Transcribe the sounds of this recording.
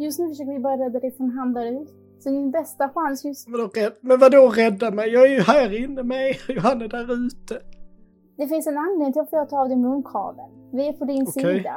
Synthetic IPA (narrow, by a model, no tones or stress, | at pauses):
jɵst̪nʉ̟fəʂøːkəvɪbɑːɾjaɾɛd̪ːaɾɛfɔmɦand̪lad̪ʉt̪ | sɔmɪnbɛst̪aɧansjɵsvad̪ɔɛd̪mɛnvad̪ɔɾɛd̪ːamɛjjɑːɡæjɦæːɾɪnːəmɛjjʊhanːəd̪æːɾʉːt̪ə | d̪̥ɛfɪnsɛnanːeːŋt̪ɪlɔfd̪ɛat̪ʰːɑːvd̪ɛmʉnkʰɑ̰ːvə̰nvɪɛpʰɔd̪ɪnsid̪a̰